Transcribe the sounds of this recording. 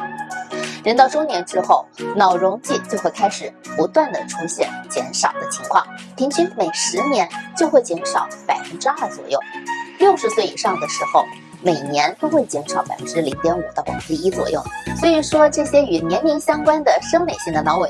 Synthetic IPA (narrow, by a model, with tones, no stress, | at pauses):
ɻə˧˥nt̪ɑ˥˩ʊʈ͡ʂo˥ŋnjɛ˧˥nʈ͡ʂɻ̩˥xo˥˩ʊnɑ˨˩ʊɻʊ˧˥ŋt͡ɕi˥˧t͡ɕjo˥˧ʊxwe˥˩ɪkʰa˥ɪʂɻ̩˨˩˦pu˧˥t̪wa˥˩nd̪ə̰˩ʈ͡ʂʰu˧˥ɕjɛ̰˨˩˦nt͡ɕjɛ̰˧˥nʂɑ˨˩ʊd̪ə˦t͡ɕʰi˧˥ŋkʰwɑ̰˥˩ŋpʰi˧˥ŋt͡ɕʰi˥nme˨˩ɪʂɻ̩˧˥njɛ˧˥nt͡ɕjo˥˧ʊxwe˥˩ɪt͡ɕjɛ˧˥nʂɑ˨˩˦ʊpa˨˩ɪfə˥nʈ͡ʂɻ̩˥a˥˩t͡swɔ̰˨˩jo̰˥˩ʊljo˥˩ʊʂɻ̩˧˥swe˥˩i˨˩ʂɑ˥˩ŋd̪ə˩ʂɻ̩˧˥xo˥˧ʊ | me˨˩ɪnjɛ˧˥nt̪o˥ʊxwe˥˩ɪt͡ɕjɛ˧˥nʂɑ˨˩˥ʊpa̰˨˩fə˥nʈ͡ʂɻ̩˥li˧˥ŋt̪jɛ˧˥nu˨˩t̪ə˥˩ʊɛ̰˨˩˥i˥t͡swɔ̰˨˩jo̰˥˩ʊswɔ˧˥i˨˩ʂwɔ˥ʈ͡ʂɤ˥˩ɕjɛ˥y˨˩njɛ˧˥nmi˧˥ŋɕjɑ˥ŋkwa˥nd̪ə˨ʂɤ˥ŋme˨˩ɪɕi˥˩ŋd̪ə˩nɑ˧˥ʊwe˨˩